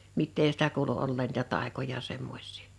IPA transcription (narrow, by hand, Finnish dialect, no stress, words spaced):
mitːeː sĭtæ kuːlu olːeːn niːtæ tɑˑekojɑ semːos̆ʲsiː